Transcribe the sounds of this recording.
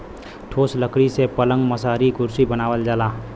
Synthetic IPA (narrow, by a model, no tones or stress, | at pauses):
ʈʰoːsləkɽisepələ̃ŋɡməsaːɾiɡʊɾsibənaːʋəld͡ʒaːlaː